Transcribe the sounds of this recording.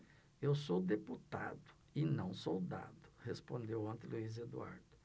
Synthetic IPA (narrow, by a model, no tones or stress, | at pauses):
ewsowd̪eput̪a̰d̪ʊ | ɪnɐ̃w̃sowd̪a̰d̪ʊ̥hespõnd̪ewɐ̃nt̪ɪluized̪ua̰ɾd̪ʊ